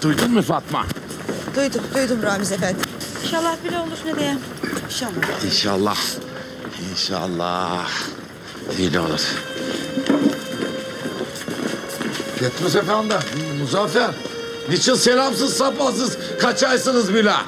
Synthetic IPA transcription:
d̪̥ujd̪unmufat̪ma̰ | d̪̥ujd̪umd̪ujd̪umɾaːmizefɛt̪inʃalˠːahbilʲɛolˠuɾnɛd̪ejɛm | iʃainʃa̰lˠːɑ̰h | inʃa̰lˠːɑ̰h | d̪ilʲo̰lˠṵɾ̥ | pʰet̪ɾus̬efænd̪amuzaːfæɾ | nit͡ʃʰinselʲamsɯzsapas̬ɯz | kʰat͡ʃajsɯnɯzbilɛ

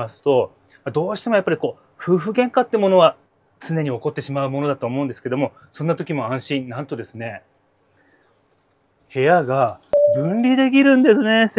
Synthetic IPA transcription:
asɨ̥t̪o̞ | mad̪o̞ːɕi̥t̪e̞mojapːaɾʲiko̞ː | ɸɯ̟ːɸɯ̟ɡẽ̞ŋkat̪ːeɯmo̞no̞βa | t͡sɨne̞ɲ̟ioko̞t̪ːe̞ɕimaɯ̟mo̞no̞d̪at̪oːmo̞ɯ̟̃nd̪eske̞d̪o̞mo̞ | sõ̞nːat̪o̞kʲimo̞ãɰ̃ɕĩnnãnt̪o̞d̪e̞sɨne̞ | he̞jaɡaɡɯ̟̃nɾʲid̪e̞k̬ʲiɾɯ̟̃nd̪e̞sɨne̞s

